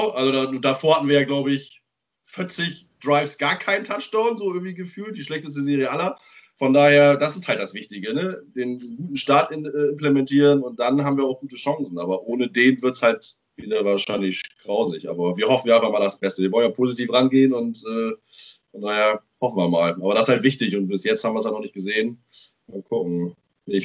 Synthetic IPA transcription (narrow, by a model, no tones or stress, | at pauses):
ʊʔalzodanuːdafoːɐhatn̩viːɐjaːɡlaʊbəɪç | fɪɐt͡sɪçd̥ʁaɪfsɡ̥aːɐkʰaɪntʰat͡ʃd̥aʊnzoːʔɪɐɡŋ̩tv̥iːɡəfyːlt̚d̥iːʃlɛçtəs̬təzeːʁijəʔalɐ | fɔndaːheːɐd̥asɪsthaltd̥asv̥ɪçtɪɡənədeːnɡuːtn̩ʃtaːɐtʔɪɛːɪmplemɛntʰiːʁənʊnt̚d̥anhaːbm̩viːɐaʊxɡ̥uːtəʃaŋsn̩ʔaːbɐʔoːnədeːnvɪɐtshalt | viːdɐvaːɐʃaɪnlɪçɡ̥ʁaʊzɪçʔa̰ːbɐviːɐhɔfn̩vjːɐʔaɪfaχmaːldasb̥ɛstəviɐvɔlnjaːpʰoːzitʰiːfʁanɡeːənʊntʔɛː | najaːhɔfn̩viːɐmaːlʔaːbɐɾasɪshaltv̥ɪçtɪçʊnt̚b̥ɪsjɛt͡ssthabmviːɐshaltnɔχnɪçtɡ̥əzeːənmaːkʰʊkŋ̩ | nɪç